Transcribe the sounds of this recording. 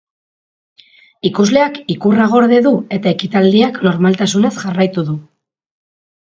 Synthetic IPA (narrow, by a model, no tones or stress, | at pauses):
ikuzle̞akikuraɣ̞o̞ɾðe̞ðue̞t̪ae̞kit̪ald̪iakno̞ɾmalt̪asune̞sʝarajt̪uðu